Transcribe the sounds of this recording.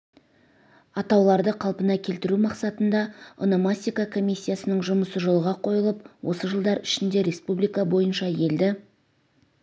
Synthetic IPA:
ɑt̪ɑwlˠɑɾd̪əqʰɑlˠpənɑkʲʰe̞lt̪ɪɾumɑqsɑt̪ənd̪ɑo̰nomasʲikakʰo̞mʲisʲːijasənəɴʒʊməsəʒo̞lˠʁɑqʰo̞jəlˠəpwʔo̞səʒəlˠd̪ɑɾɪʃɪnd̪e̞ɾʲe̞spublijkɑbo̞jənʃɑje̞ld̪ɪ

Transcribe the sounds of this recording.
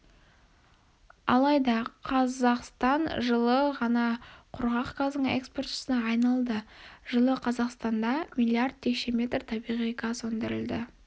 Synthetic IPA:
ɑ̰lˠɑjd̪ɑqʰɑzɑqst̪ɑnʒəlˠəʁɑnɑqʰʊɾʁɑqɡazəɴḛkspo̞rt̪ɪ̥sənɑːjnɑlˠd̪əʒ̥əlˠəqʰɑzɑqst̪ɑnd̪ɑmilʲˠiard̪̚t̪ʰːe̞kʃe̞mʲe̞t̪rt̪ʰɑbijʁijkʰɑsɵnd̪ɪɾɪld̪ɪ

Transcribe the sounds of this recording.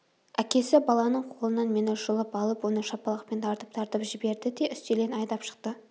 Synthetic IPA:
ækʲe̞sɪbɑlˠɑnəɴqʰolˠənɑnmenɪʒəlˠəpɑlˠəpwo̞nəʃɑpɑlˠɑqpe̞nt̪ʰɑɾt̪əp̚t̪ʰɑɾt̪əpʒɪbe̞ɾd̪ɪd̪e̞ʔʏst̪elenɑjd̪ɑpʃə̥q̚t̪ə

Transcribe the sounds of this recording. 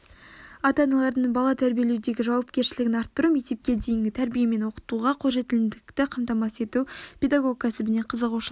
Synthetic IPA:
ɑt̪ɑnɑlˠɑɾd̪əɴbɑlˠɑt̪ʰæɾbije̞lewd̪e̞ɡʲɪʒɑwɑp̚kʲe̞ɾʃɪlɪɡʲɪnɑɾt̪ːəɾumek̚t̪e̞p̚kʲe̞d̪e̞jɪŋɡʲɪt̪ʰæɾbijeme̞nwo̞qə̥t̪uʁɑqʰoʒe̞t̪ɪlɪnd̪ɪk̚t̪ɪqʰɑmt̪ɑmɑse̞t̪upʲe̞d̪aɡo̞k̚kʰʲæsɪbɪne̞qʰəzəquʃ

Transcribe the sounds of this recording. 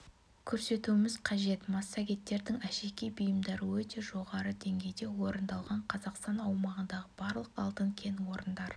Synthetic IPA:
kʲʰɵɾse̞t̪uɪmɪzqʰɑʒe̞t̪mɑsːɑɡʲe̞t̪ːe̞ɾd̪ɪŋæʃe̞kʲejbijəmd̪ɑɾəwɵt̪e̞ʒo̞ʁɑɾəd̪e̞ŋɡʲe̞jd̪e̞wo̞ɾənd̪ɑlˠʁɑɴqʰɑzɑqst̪ɑnɑwmɑʁənd̪ɑʁəbɑɾlˠəqɑ̰lˠt̪əŋkʲʰe̞nwo̞ɾənd̪ɑɾ

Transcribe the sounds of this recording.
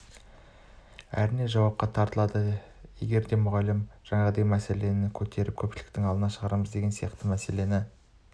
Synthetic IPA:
æ̰ɾɪne̞ʒɑwɑp̚qɑt̪ʰɑɾt̪əlˠɑd̪ə | je̞̰ɡʲe̞ɾd̪e̞mʊʁɑlɪmʒ̥ɑɴɑʁəd̪ejmæse̞le̞nɪkʲʰɵt̪ʰe̞ɾɪp̚kʲʰɵpʃɪlɪk̚t̪ɪŋɑlˠd̪ənɑʃəʁɑɾməzd̪e̞ɡʲe̞nsijɑqt̪əmæse̞le̞nɪ

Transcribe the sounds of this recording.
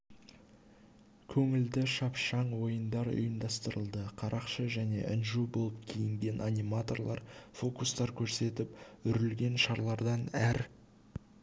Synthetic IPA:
kʲʰɵŋɪld̪ɪʃɑpʃɑɴwo̞jənd̪ɑɾʊ̰jəmd̪ɑst̪əɾəlˠd̪əqʰɑɾʔɑqʃəʒæne̞̰ʔɪnʒubolˠəp̚kʲʰijɪŋɡʲe̞nʔanʲimat̪o̞rlˠɑ̰ɾfo̞kust̪ɑɾkʲʰɵɾse̞t̪ɪpʏɾɪlɡʲe̞nʃɑɾlˠɑɾd̪ɑnæɾ

